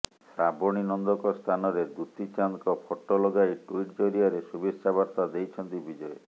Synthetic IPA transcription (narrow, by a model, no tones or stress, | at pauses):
sɾabɔɽ̃inɔnd̪ɔkɔst̪ʰanɔɾed̪ut̪it͡ʃankɔpʰɔʈːɔlɔɡajʈuiʈd͡ʒoɾiaɾesubesabaɾt̪ad̪ejt͡ʃʰɔnt̪ibid͡ʒɔe